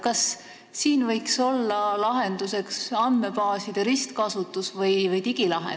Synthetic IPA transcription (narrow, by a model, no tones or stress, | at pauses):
kɑsː | iːnvɤjkso̞lːɑlɑɦe̞nd̪use̞ksɑnd̪me̞pɑːsid̪̥eɾist̪kɑsut̪ːˑusvɤjvɤjt̪iɡ̥ilɑɦḛ